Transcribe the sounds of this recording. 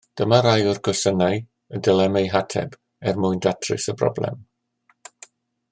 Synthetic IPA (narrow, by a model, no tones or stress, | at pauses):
d̥əmaɾajʊrkʰɔsənaj | ədɛlˠɛmejɦatʰɛ̰b | ɛrmʊɨndatʰrɨ̰səbrɔ̰blɛ̰m